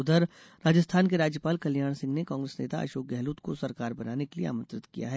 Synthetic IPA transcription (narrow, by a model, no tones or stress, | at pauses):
ʊd̪ʱəɾ | ɾaːd͡ʒəst̪ʰaːnkeɾaːd͡ʒjəpaːlkɐljaːɽ̃sɪ̃ŋɡnekãːŋɡɾeːsneːt̪a̰ʔɐ̰ʃoːk̚ɡɛɦluːt̪kosɐɾkaːɾbɐnaːnekeliḛa̰ːmə̃nt̪ɾɪt̪kija̰ɦɛː